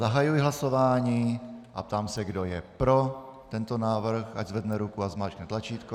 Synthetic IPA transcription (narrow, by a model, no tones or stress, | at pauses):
zaɦajujɪɦlaso̞vaːɲiːʔa̰p̚t̪aːmsɛɡdojɛpɾo̞t̪ɛnt̪onaːvr̩xaɟzvɛdnɛɾukuazmaːt͡ʃknɛt̪lat͡ʃiːt̪ko